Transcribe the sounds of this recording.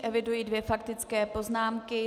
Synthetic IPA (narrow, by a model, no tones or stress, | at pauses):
ʔɛvɪdujidvjɛfakt̪ɪt͡skɛːpo̞znaːmkɪ